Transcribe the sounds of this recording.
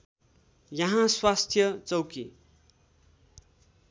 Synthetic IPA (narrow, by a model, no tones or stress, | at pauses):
jʌɦãswast̪ʰjʌt͡sʌwki